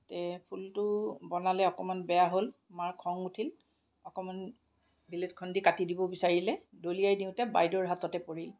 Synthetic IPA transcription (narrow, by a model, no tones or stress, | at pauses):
tɛpʰultʊbɔnalɛɔkɔmanbɛjaɦolmaɹkʰɔŋutʰil | ɔkɔman | biletkʰɔndikatidibɔbisaɹilɛdolijajdiʊ̃tɛbajdɔɹɦatɔtɛpoɹil